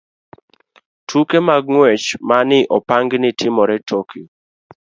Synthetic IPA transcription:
tʰukemaɡ̚ŋwɛt͡ʃmanɪʔɔpaŋɡnɪtʰɪmɔɾɛtʰoki

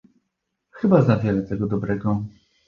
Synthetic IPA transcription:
xɘbazavʲjɛlɛt̪ɛɡɔd̪ɔbɾɛɡɔ

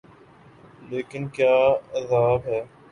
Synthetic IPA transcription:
leːkɪnkjaːəzaːbɦɛː

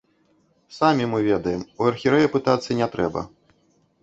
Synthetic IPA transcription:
samʲimɨvʲɛd̪ɐjɛmuɐrxʲiɾɛjɐpɨt̪at̪sːɐnʲɛt̪ɾɛbɐ̰

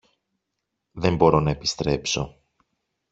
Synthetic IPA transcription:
ðe̞mbo̞ɾo̞nɐe̞pi̥st̪ɾe̞pso̞

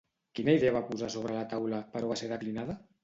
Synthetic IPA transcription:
kinəiðeaβapuzasoβ̞ɾəlat̪awləpəɾoβaseɾðəklinaðə

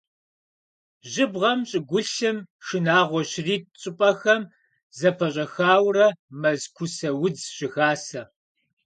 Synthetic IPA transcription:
ʑɪbʁɐmɕʼɪɡʷʊɬɨmʂɨnaːʁʷɔɕɪriːt̚ɕʼɪpʼɐxɐm | zɐpʰɐɕʼɐxaːwrɐmɐzkʷʰʊsɐwʊd͡zɕɪxaːsɐ

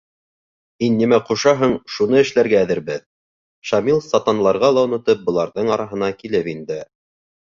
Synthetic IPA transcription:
minːimæquʃɑɦɤɴʃunɤɘ̆ʃlæɾɡæːðɘ̆ɾbɘð | ʃɑmilˠsɑt̪ɑnlˠɑɾʁɑlˠɑŭnɤ̆t̪ɤp̚bŏlˠɑɾðɤɴɑɾɑɦɤ̆nɑkilɘpind̪ɘ

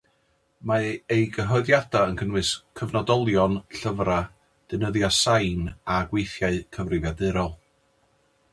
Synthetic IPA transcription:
maejɡəɦɔɨðjad̥aənkʰənwɨskʰəvnɔdɔlˠjɔnɬəvra | d̥ɨnəðjasajnaɡwejθjaɨkʰəvrɪvjadɨɾɔlˠ

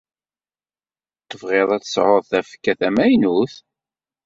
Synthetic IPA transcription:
t̪ːəvʁeðˤæt͡s̪ə̥sʕoðˤθæfkːæθæmæjnuθ

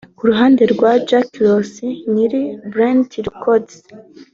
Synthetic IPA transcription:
kuɾuɦaːnde̞ɾɡwad͡ʒaklosiniɾibɾantiɾkʰods

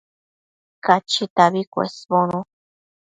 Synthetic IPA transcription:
kat͡ʃit̪aβikʷḛsbonu

